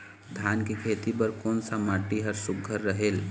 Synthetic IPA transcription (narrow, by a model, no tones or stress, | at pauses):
d̪ʱjankekʰet̪ip̬əɾkoːnsamaʈːiɦəɾsuɡʱːəɾːəɦel